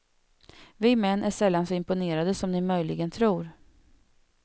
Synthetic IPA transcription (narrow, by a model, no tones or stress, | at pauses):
vɪmɛnːʔæʂɛlːansɔɪmpʊneːɾad̪əsɔmnɪmœjlɪɡənt̪ʰɾuːɾ